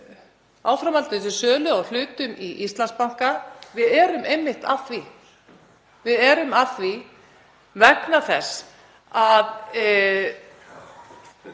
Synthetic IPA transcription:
aːwfɾamalt̪ɪɪs̬ɪsœːlʏawl̥ʏːt̪ʏmiʔist̪lanspawŋ̥kavɪðɛːɾʏmejmːɪht̪a̰θvi | vɪðɛɾʏmaθvi | vɛknaθɛsː | að

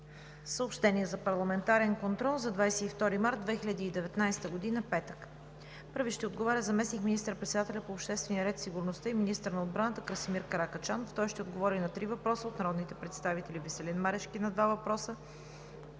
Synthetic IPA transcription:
səopʃt̪ɛniɛzɐpɐɾlˠɐmɛnt̪aɾɛnkont̪ɾɔlˠzɐd̪vajsɛift̪ɔɾimaɾt̪̚d̪vɛxiʎʲəd̪iːd̪ɛvɛt̪najst̪əɡod̪inəpɛt̪ək | pɤɾviʃt̪ɛod̪ɡovɔɾʲəzɐmɛsnikminist̪əɾpɾɛt̪sɛd̪at̪ɛlʲɐpoːpʃt̪ɛst̪vɛniəɾɛt̪siɡuɾnost̪əiminist̪əɾnɐod̪̚bɾanət̪əkɾəsimiɾkɐɾakət͡ʃanoft̪ɔjʃt̪ɛod̪ɡovɔɾinɐt̪ɾivɐpɾɔsəot̪nɐɾɔd̪nit̪ɛpɾɛt̪st̪avit̪ɛlivisɛlɛnmaɾɛʃkinɐd̪vavɐpɾɔsə

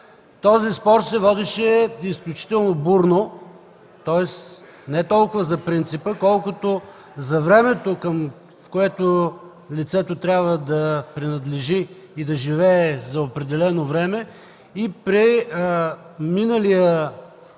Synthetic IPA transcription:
t̪ɔzispɔɾt̪sɛvɔd̪ɛʃɛisklʲʊt͡ʃi̥t̪ɛlˠnobuɾno | t̪ɔɛs | nɛt̪ɔlˠkʊvəzɐpɾint̪sipəkɔlˠkʊt̪o | zɐvɾɛmɛt̪okəm | fkoɛt̪o | lit̪sɛt̪ot̪ɾʲjabvəd̪ɐpɾinɐd̪lɛʒiː | d̪ɐʒivɛːzɐopɾɛd̪ɛlɛnovɾɛmɛ | ipɾi | minəlijə

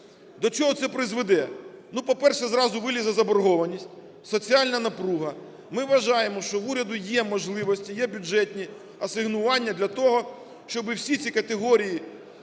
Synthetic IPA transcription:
d̪ɔt͡ʃɔɦɔt̪sɛpɾɪzʋed̪ɛnupɔpɛrʃɛzɾɑzʊʋɪlʲizɐzɐbɔrɦɔʋɐnʲisʲtʲ | sɔt͡sʲiɑlʲnɐnɐpɾuɦɐ | mɪʋːɐʒɑjemɔʃt͡ʃɔʋuɾʲɐd̪ʊjɛmɔʒlˠɪʋɔsʲtʲijɛbʲʊd͡ʒɛtʲnʲi | ɐsɪɦnʊʋɑnʲːɐd̪lʲɐt̪ɔɦɔ | ʃt͡ʃɔbɪwsʲit͡sʲikɐt̪eɦɔɾʲiji

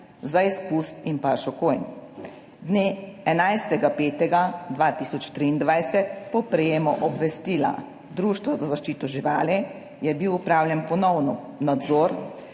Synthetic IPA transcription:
zaispust̪inpaɾʃɔkojn | d̪neːɛnajst̪ɛɡapeːt̪ɛɡad̪ʋaːt̪isɔt͡ʃt̪ɾiːnd̪ʋajsɛt̪̚pɔpɾɛjeːmɔʔɔbʋɛst̪iːla̰ | d̪ɾuːʃt̪ʋazazaʃt͡ʃiːt̪ɔʒiʋa̰ːlɛ | jɛbiwupɾaːwlʲjɛnpɔnɔwnɔ | nad̪zɔːɾ

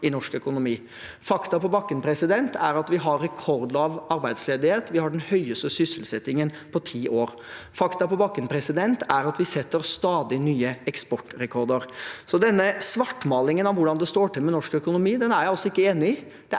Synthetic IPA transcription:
ɪnɔʂkœkʊnʊmiː | fɑkt̪ɑpɔbɑkːənpʰɾɛsɪd̪ɛnt̪ʰæɾɑt̪ʋɪɦɑɾːɛkʰɔɾd̪lɑːʋɑɾbæɪd̪sleːd̪ɪheːt̪ʋɪhɑɖɛnhœʏəst̪əsʏsəlsɛt̪ːɪŋən | pʰɔt̪ʰiːʔoːɾ | fɑkt̪ɑpɔbɑkːənpʰɾɛsɪd̪ɛnt̪æɾɑt̪ʋɪsɛt̪ːəɾst̪ɑːd̪ɪnyːəɛkspɔʈːɾɛkʰɔɾd̪əɾsɔd̪ɛnːəsʋɑʈːmɑːlɪŋənɑʋʋʊɖɑnd̪ɛst̪oːʈɪlmɛnɔʂkœkʊnʊmiːd̪ɛnæɾjæɪɔsːɔɪkːəeːnɪ | d̪̥ɛ

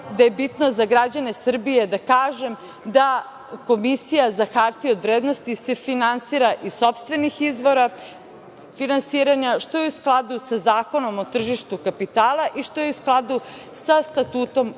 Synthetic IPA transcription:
d̪aje̞bit̪no̞zaɡɾad͡ʑane̞sr̩bije̞d̪akaːʒe̞m | d̪a | ko̞misijazaxaɾt̪iod̪ʋɾeːd̪no̞st̪ise̞finansiːɾaʔiso̞pst̪ʋe̞nixizʋo̞ɾa | finansiːɾaɲaʃt̪o̞jeusklˠad̪usazaːko̞no̞mot̪r̩ʒiʃt̪ukapit̪aːlˠaʔiʃt̪o̞jeusklˠad̪usast̪at̪uːt̪o̞m

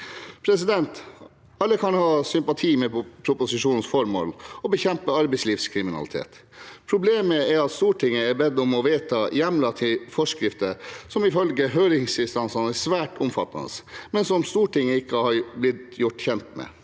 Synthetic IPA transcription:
pʰɾɛsɪd̪ɛnt̪ | ɑlːəkʰɑnhɑːsʏmpɑt̪ʰiːmɛpʰɾʊpʊsɪʂuːnn̩sfɔɾmo̰ːlɔbəçɛmpəɑɾbɛɪsliːʋskʰɾɪmɪnɑ̰ɪt̪ʰḛːt̪pʰɾʊbleːməɛɾɑt̪st̪uːʈʰɪŋːəɛɾbɛd̪ɔmɔʋeːt̪ʰɑjɛmlɑt̪ʰɪfɔʂkɾɪft̪əsɔmɪfœlɡəɦøːɾɪŋsɪnst̪ɑnsɑnɛsʋæːʈʊmfɑt̪ːɑ̰nə̰smɛnsɔmst̪uːʈɪŋːəɪkːəhɑɾblɪt̪jʊʈːçɛnt̪mɛ̰

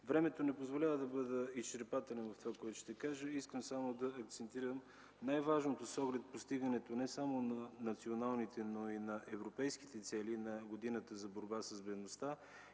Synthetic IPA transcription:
vɾɛmɛt̪onɛpozvolʲavəd̪ɐbɤd̪əist͡ʃɛɾpat̪ɛlʲɛnvəft̪ovakoɛt̪oʃt̪ɛkaʒəiskəmsamod̪ɐːk̚t̪sɛnt̪iɾəm | najvaʒnot̪osɔɡlɛt̪post̪iɡənɛt̪onɛsamonɐnɐt̪sionalˠnit̪ɛnoinɐʔɛvɾopɛjski̥t̪ɛt̪sɛlinɐɡod̪inət̪əzɐboɾbasəsbɛd̪nost̪a

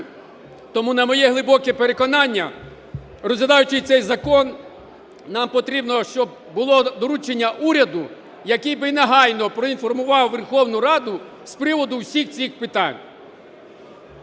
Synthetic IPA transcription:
t̪ɔmunɐmɔjɛɦlˠɪbɔkɛpeɾe̞kɔnɑnʲːɐ | rɔzʲlʲɐd̪ɑjʊt͡ʃɪjt̪sɛjzɐkɔn | nɑmpɔt̪ɾʲibnɔʃt͡ʃɔb̚ | bʊlˠɔd̪ɔɾut͡ʃenʲːɐʔuɾʲɐd̪ʊ | jɐkɪjbɪjnɐɦɑjnɔpɾɔinfɔrmʊʋɑwʋerxɔwnʊɾɑd̪ʊ | spɾɪʋɔd̪ʊwsʲixt͡sʲixpɪt̪ɑ̰nʲ

